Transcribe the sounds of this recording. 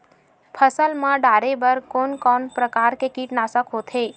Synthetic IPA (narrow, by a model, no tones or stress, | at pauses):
pʰəsəlmãɖaɾebəɾkonkɔnpɾəkaɾkekiʈnasəkɦot̪ʰe